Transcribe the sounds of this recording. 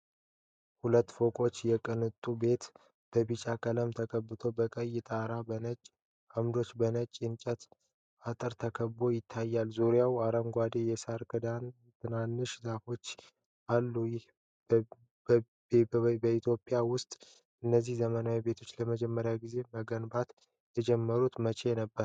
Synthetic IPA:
hulət̪ːfo̞kʼo̞t͡ʃːjɛkʼɨnɨt̪ʼːube̞t̪ | b̥əbit͡ʃʼakʼələmt̪ʰəkʼəbːɨt̪ʰo̞bəkʼəjːɪt̪ʼaɾabənət͡ʃʼː | amd̪o̞t͡ʃːbənət͡ʃʼːɪnt͡ʃʼət̪ | at̪ʼɨɾt̪ʰəkʰəbo̞jɪt̪ʰːajːalzuɾijawaɾəmɡʷad̪ejɛsaɾkʰɨd̪an | t̪ʰɨnanːɨʃzafo̞t͡ʃː | ʔalːujɪh | b | bəit̪ʰjo̞pʼɪjawʊst̪ʼ | ʔɨnːəzːihzəmənawibe̞t̪ʰo̞t͡ʃːləməd͡ʒɛmːəɾjaɡize̞məɡənbat̪ | jɛd͡ʒɛmːəɾut̪mət͡ʃʰenəbːəɾ

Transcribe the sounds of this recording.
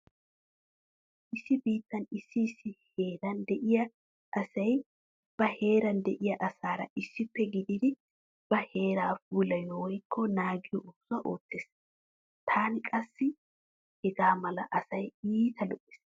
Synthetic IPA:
ʔɪsːɪbiːt̪ːɐnɪsːɪsːɪhe̞ːɾɐnd̪ɛʔɪjɐ | ʔɐsɐj | b̥ɐhe̞ːɾɐnd̪ɛʔɪjɐʔɐsaːɾɐ̰ʔɪsːɪpːɛɡɪd̪ɪd̪ɪ | b̥ɐhe̞ːɾaːfuːlɐjɔwɔjkʰːɔnaːɡɪjɔʔʊbsʊɐʔo̞ːt̪ːeːs | t̪ʰaːnɪkʼɐsːɪ | hɛɡaːmɐlɐʔɐsɐjiːt̪ʰɐlɔʔɪ̥s

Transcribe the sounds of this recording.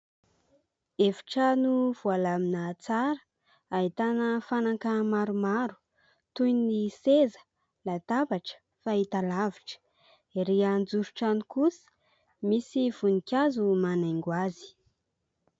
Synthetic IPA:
evi̥ʈ͡ʂanuv̥ualaminət͡saɾə̥ | aɦit̪anəfanakəmaɾumaɾu̥ | t̪ujnisezə̥ | lat̪abaʈ͡ʂə̥ | fait̪alaviʈ͡ʂə̥ | ɾiand͡zuɾuʈ͡ʂanikusə̥ | misiv̥unikʲazumanaŋɡwazi̥

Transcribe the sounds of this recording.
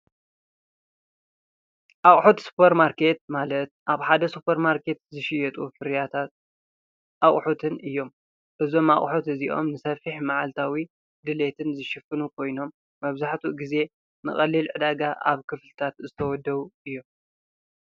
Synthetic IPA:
ʔaχʼħot̪su̥pʰeɾmaɾkʰe̞t̪̚malɐt̪̚ʔaβħad̪ɐsupʰɐɾmaɾkʰe̞t̪zɨʃɪjɛt̪ʼufɨɾjat̪ʰat̪̚ | ʔaχʼħot̪ʰɨnʔɨjːo̞m | ʔɨzo̞ma̰χʼħot̪ɨziʔo̞̰mnɨsɐfiħmaʕalt̪ʰawi | d̪ɨle̞t̪ʰɨnzɨʃɨfɨnukʰo̞jno̞mː | ɐβzaħt̪ʰuɡize̞ | nɨχʼɐlːilʕɨd̪aɡaʔa̰βkʰɨflɨt̪ʰat̪zɨt̪ʰɐwɔd̪ːɐβuɨjːo̞m

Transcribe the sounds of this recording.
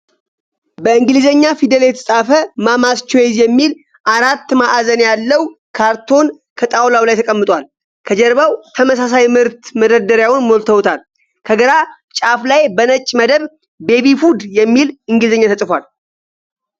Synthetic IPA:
bəɨŋɡɨlizəɲːafid̪əljɛt̪ʰə̥sʼafəmamast͡ʃːɛjɛzjɛmːil | ʔaɾat̪ːmaʔazənjalːəwkʰaɾt̪ʰo̞n | kʰət̪ʼawlawlajt̪ʰəkʼəmːɨt̪ʼwal | kʰəd͡ʒɛɾβawt̪ʰəməs̬as̬ajmɨɾt̪məd̪əd̪əɾjawʊnmo̞lt̪ʰəwt̪ʰal | kʰəɡəɾa | t͡ʃʼaflajbənət͡ʃʼːməd̪əβ | be̞βifud̪jɛmːilɨŋɡɨlizəɲːat̪ʰəsʼfwal

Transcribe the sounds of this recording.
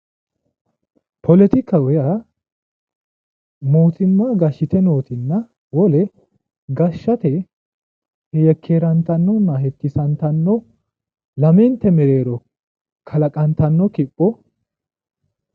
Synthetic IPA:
pɔlɛt̪ɪkːɐwɔja | moːt̪ɪmːaːɡɐʃːɪt̪ɛno̞ːt̪ɪnːɐ | wɔlɛ | ɡɐʃːɐt̪ɛ | hɛjɛkʰːeːɾɐnt̪ɐnːɔnːɐhɛkːɪsɐnt̪ɐnːɔ | lɐmɛnt̪ːɛmɛɾe̞ːɾɔ | kʰɐlɐkʼɐnt̪ɐnːɔkɪpʼːɔ

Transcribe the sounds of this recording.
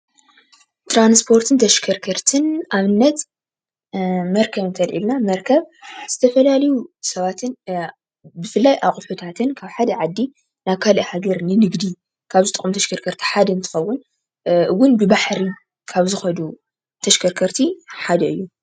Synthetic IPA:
t̪ɾanspʰo̞ɾt̪ʰɨnt̪ʰɐʃkʰɐɾkʰɐɾt̪ʰɨnaβɨnːɐt̪ | mɐɾkʰɐβɨnt̪ʰɐlʔḭlnamɐɾkʰɐβz̥ɨt̪ʰɐfɐlalɐjusɐβat̪ʰɨn | bɨfɨlːajʔaqʼħut̪ʰat̪ʰɨnkʰaβħad̪ɐʕad̪ːi | naβkʰaliʔhaɡɐɾnɨnɨɡd̪i | kʰaβzɨt̪ʼɨkʼːmt̪ʰɐʃkʰɐɾkʰɐɾt̪ʰi̥ħad̪ɐɨnt̪ʰɨ̥xɐwːʊn | ʔɨwːʊnbɨbaħɾi | kʰaβzɨxɐd̪u | t̪ʰɐʃkʰɐɾkʰɐɾt̪ʰiħad̪ɐɨjːu

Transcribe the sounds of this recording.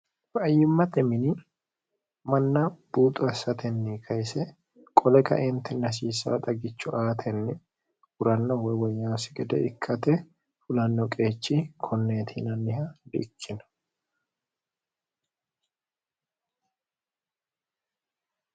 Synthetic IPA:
fɐjːɪmːɐt̪ɛmɪnɪ | mɐnːɐb̥uːt̪ʼʊɐsɐt̪ʰɛnːɪkʰɐjsɛ | kʼɔlɛkɐ̰ʔɛnt̪ʰɛnɐs̬iːsːɐ̰wɐ̰t̪ʼɐɡɪt͡ʃːʊʔaːt̪ʰɛnːɪ | hʊɾɐnːɔwɔwɔjːaːsɪɡɛd̪ɛ̰ɪkʰːɐt̪ɛ | fʊlɐnːɔkʼe̞ːt͡ʃːikʰɔnːeːt̪ʰinɐnːɪhɐd̪ɪ̰ʔkʰːɪnɐ̥

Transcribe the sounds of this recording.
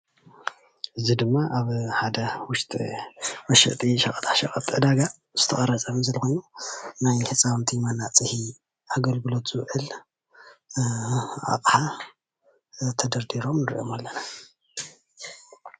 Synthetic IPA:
ʔɨzid̪ɨmːaʔaβħad̪ɐwʊʃt̪ʼwɐʃɨ̰ʔt̪ʼiʃɐkʼɐt̪ʼaʃɐkʼɐt̪ʼʕɨd̪aɡa | z̥ɨt̪ʰɐχʼɐɾɐt͡sʼɐmzɐlxojnːunajħɨt͡sʼawnt̪ʰimanːat͡sʼɨhi | ʔaɡɐlɡɨlot̪z̥ɨwʕɨl | ʔa̰qʼħa | t̪ʰɐd̪ɐɾd̪iɾo̞mnɨɾḭʔo̞̰malːɐna

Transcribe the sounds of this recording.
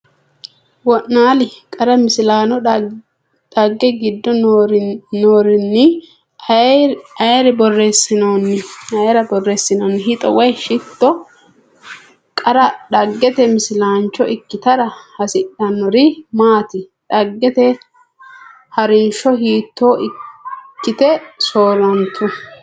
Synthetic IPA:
wɔʔnaːlɪkʼɐɾɐmɪsɪlaːnɔ | ɗɐɡːɛɡɪd̪ːɔ | noːɾɪnːɪ | ɐjɛɾɪbɔrːeːsɪnoːnːɪɐjɾɐbɔrːeːsːɪnoːnːɪɦɪt̪ʼɔwɐjʃɪt̪ːɔ | kʼɐɾɐɗɐɡːɛt̪ɛmɪsɪlaːnt͡ʃːɔɪkːɪt̪ɐɾɐhɐsɪɗɐnːɔɾɪmaːt̪ɪ | ᶑɐɡːɛt̪ɛ | hɐɾɪnʃɔɦiːt̪ːoːʔɪkːɪt̪ɛsoːlɐnt̪ʰːɔ

